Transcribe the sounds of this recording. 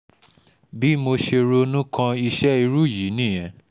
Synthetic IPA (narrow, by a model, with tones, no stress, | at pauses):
bi˦mo˧ʃe˧ɾo˧nũ˦kã˧i˧ʃɛ˦i˧ɾu˦˨ji˨˦nĩ˦˨j̃ɛ̃˨